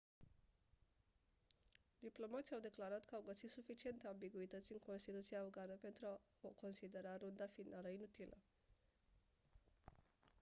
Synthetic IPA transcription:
d̪iplo̞mat̪sʲiawd̪e̞klaɾat̪kaawɡəsisufit͡ʃie̞nt̪eambiɡuit̪ət̪sʲɨŋko̞nst̪it̪ut̪siaoɡanəpe̞nt̪ɾuaoko̞nsid̪eɾaɾond̪afinaləinut̪ilʔə̰

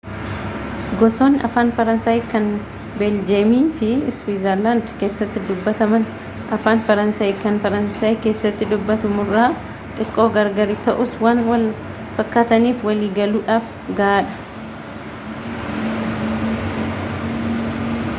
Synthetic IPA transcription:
ɡɔsoːnɐ̰faːnfɐɾɐnsaːjkɐn | bɛld͡ʒemiːfɪswiːzɐɾlaːnd̪ke̞ːsːɐt̪ːɪd̪ʊbːɐt̪ɐmɐn | ʔɐfaːnfɐɾɐnsaːjkɐnfɐɾɐnsaːjke̞ːsːɐt̪ːɪd̪ʊbːɐt̪ʊmʊrːaː | t̪ʼɪkʼːo̞ːɡɐɾɡɐɾɪt̪ɐʔʊswanwɐl | fɐkːat̪ɐniːfwɐliːɡɐluːᶑaːf | ɡɐːᶑɐ̥

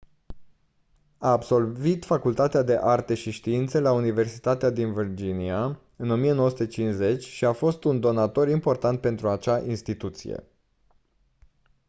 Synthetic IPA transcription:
aːbso̞lvit̪fakult̪at̪ead̪e̞ʔart̪e̞ʃiʃt̪iint̪selaunive̞rsi̥t̪at̪ead̪invird͡ʒinia | ɨno̞mijenooəsu̥t̪et͡ʃinze̞t͡ʃʲʃiafo̞st̪und̪o̞nat̪o̞ɾimpo̞rt̪ant̪̚pe̞nt̪ɾuat͡ʃaʔinst̪it̪ut̪sḭjḛ

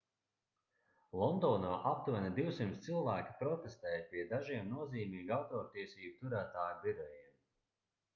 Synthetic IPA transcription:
lˠɔnd̪ɔːnaːʔap̚t̪vanid̪iwsimt̪st̪silˠvæːkʲi̥pɾɔt̪est̪ɛːjpiɛd̪aʒiɛmnuɔziːmiːɡawt̪ɔːɾt̪iɛsiːbut̪uɾæːt̪aːjbiɾɔjiɛm

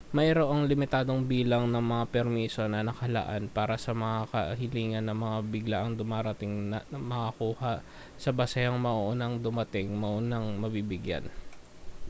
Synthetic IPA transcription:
mɐjɾoʔoŋlɪmɪt̪aːd̪oŋbiːlɐŋnɐŋmɐŋapɛɾmiːso̞nɐnɐkɐlɐ̰ʔa̰npaːɾɐsɐmɐŋakɐhɪliːŋɐnːɐŋmɐŋabɪɡlaʔɐŋd̪ʊmaːɾɐt̪ɪŋnɐmɐkɐkuːhaʔ | sɐbɐsɐjɐŋmɐʔoʔonɐŋd̪ʊmɐt̪ɪŋmɐʔonɐŋmɐbiːbɪɡja̰n

